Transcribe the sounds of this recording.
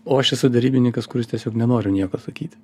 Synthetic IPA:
oːɐʃɛsʊd̪ʲɛɾʲiːbʲɪnʲɪŋkɐskʊɾɪstʲɛsʲoːknʲɛnoːɾʲʊnʲiɛkoːsɐkʲiːt̪ʲ

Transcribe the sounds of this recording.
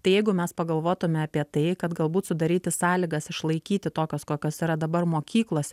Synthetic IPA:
t̪ɐɪjɛɪɡʊmʲɛspɐɡɐlˠʋoːt̪ʊmʲɛɐpʲiɛt̪ɐɪkɐt̪ɡɐlˠbuːt̪sʊd̪ɐɾʲiːt̪ʲɪsɑːlʲɪɡɐsɪʃlˠɐɪkʲiːt̪ʲɪt̪oːkʲoːskoːkʲoːsiːɾɐd̪ɐbɐrmoːkʲiːklˠoːsʲ

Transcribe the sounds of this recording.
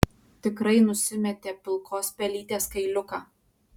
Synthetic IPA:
t̪ʲɪkɾɐɪnʊsʲɪmʲɛt̪ʲeːpʲɪlˠkʰoːspʲɛlʲiːt̪ʲeːskɐɪlʲʊkɑː

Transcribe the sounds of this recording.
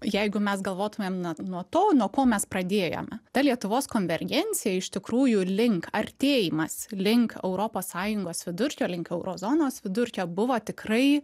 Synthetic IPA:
jɛɪɡʊmʲɛsɡɐlˠʋoːt̪ʊmʲeːmnuɔnuɔt̪oːnuɔkoːmʲɛsprɐd̪ʲeːjo̰ːmʲɛt̪ɐlʲiɛt̪ʊʋoːskoːnʲʋʲɛrʲɡʲɛnʲtsʲɪjɛɪʃt̪ʲɪkɾuːjʊlʲɪŋkɐrʲt̪ʲeːjimɐslʲɪŋkɛ̰ʊɾoːpoːssɑːjʊŋɡoːsʋʲɪd̪ʊɾʲkʲoːlʲɪŋkɛʊɾozoːnoːsʋʲɪd̪ʊɾʲkʲoːbʊʋoːt̪ʲɪkrɐɪ

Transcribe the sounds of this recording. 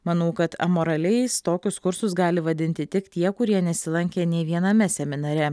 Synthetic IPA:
mɐnɐʊkɐt̪ɐ̰moːɾɐlʲɛɪst̪oːkʲʊskʊɾsʊs̬ɡɑːlʲɪʋɐd̪ʲɪnʲt̪ʲɪt̪ʲɪkt̪ʲiɛkʊɾʲiɛnʲɛsʲɪlˠɐŋʲkʲeːnʲeɪʋʲiɛnɐmʲɛsʲɛmʲɪnɐɾʲɛ

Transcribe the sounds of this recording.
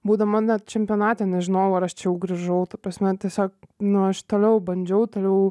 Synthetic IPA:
buːd̪ɐmɐnʲɛt̪̚t͡ʃʲɛmʲpʲiɔnɑːt̪ʲɛnʲɛʒʲɪnoːjɛʊɐɾɐʃt͡ʃʲɛjɛʊɡɾʲɐʒɐʊt̪ɐpɾɐsʲmʲɛt̪ʲiɛsʲoːknʊɐʃt̪oːlʲɛʊbɐnʲd͡ʒʲɛʊt̪oːlʲɛʊ

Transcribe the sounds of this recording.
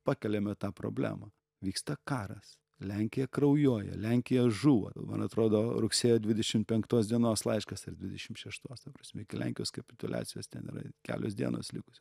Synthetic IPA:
pɑːkʲɛlʲɛmʲɛt̪ɑːpɾo̰ːbʲlʲæ̰ːmɐ | ʋʲiːkst̪ɐkɑːɾɐs | lʲæŋʲkʲɪjɛkrɐʊjuɔjɛ̰lʲæŋʲkʲɪjɛʒuːʋo̰ɐlˠmɐ̰nɐt̪ɾoːd̪oːɾʊksʲeːjoːd̪ʲʋʲɪd̪ʲɛʃʲɪmtpʲɛŋkt̪oːsd̪ʲiɛnoːslˠɐɪʃkɐsɐrd̪ʲʋʲɪd̪ʲɛʃʲɪmtʃʲɛʃt̪oːst̪ɐprɐːsʲmʲɛɪkʲɪlʲæ̰ŋʲkʲɪjoːskɐpʲɪ̥t̪ʊlʲʔɑ̰ːt͡ssʲɪjoːst̪ʲɛnḭːɾɐ̰kʲæ̰ːlʲo̰ːsd̪ʲḭɛno̰ːslʲɪkʊ̥sʲɪ

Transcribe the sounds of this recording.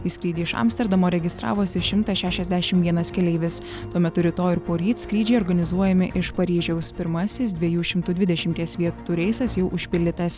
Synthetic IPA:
iːskɾʲiːd̪ʲiːɪʃɐ̰ːmst̪ʲɛɾd̪ɐmoːɾʲɛɡʲɪst̪ɾɑ̰ːʋoːsʲɪʃʲɪmt̪ɐʃʲæːʃʲɛzʲd̪ʲæʃʲɪmʋʲiɛnɐskʲɛlʲɛɪʋʲɪs | t̪uɔmʲɛt̪ʊɾʲɪt̪oːɪɾpoːɾʲiːt̪skɾʲiːd͡ʒʲɛɪɔɾɡɐnʲɪzuɔjɛmʲɪʔɪʃpɐɾʲiːʒʲɛʊspʲɪɾmɐsʲɪs̬d̪ʲʋʲiɛjuːʃʲɪmt̪ʊd̪ʲʋʲɪd̪ʲɛʃʲɪmʲt̪ʲiɛsʋʲiɛt̪ʊɾʲɛɪsɐsjɛʊʔʊʃʲpʲɪlʲdʲɪt̪ɐs

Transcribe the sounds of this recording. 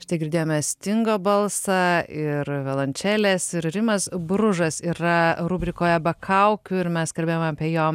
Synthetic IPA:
ʃʲɪ̥t̪ɐɪɡʲɪɾʲd̪ʲeːjoːmʲɛsʲt̪ʲɪŋɡoːbɐlˠsɑɪɾʋʲɛlˠɐnʲt͡ʃʲæːlʲeːsɪɾɾʲɪmɐsbɾʊʒɐsiːɾɐɾuːbʲɾʲɪkoːjɛbɐkʰɐʊkʲʊɪɾmʲɛskɐlʲbʲejomɐpʲeɛjoːm

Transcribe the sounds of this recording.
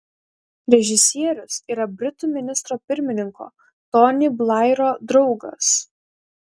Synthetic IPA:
ɾʲɛʒʲɪsʲiɛɾʲʊsiːɾɐbʲɾʲɪt̪uːmʲɪnʲɪst̪ɾoːpʲɪɾʲmʲɪnʲɪŋko̰ː | t̪ɔnʲɪblˠɑɪɾoːd̪ɾɒʊɡɐ̰s

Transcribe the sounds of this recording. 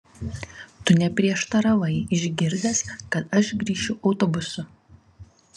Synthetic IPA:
t̪ʊnʲɛpʲɾʲiɛʃt̪ɐɾɐʋɐɪɪʒʲɡʲɪɾʲd̪ʲɛskɐt̪ɐʃɡɾʲiːʃʲʊʔɐʊt̪ɔbʊsʊ

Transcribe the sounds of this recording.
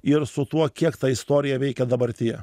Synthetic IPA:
ɪɾsʊt̪uɔkʲiɛkt̪ɐɪst̪oːɾʲɪjɛʋʲɛɪkʲɛd̪ɐbɐɾʲt̪ʲɪjɛ

